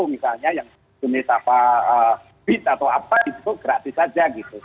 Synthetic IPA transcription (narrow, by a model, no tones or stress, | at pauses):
umisalɲajaŋ | sunɪsapaə | b̥it̪̚at̪awapaɡit̪ut̪uɡɾat̪isad͡ʒaɡit̪u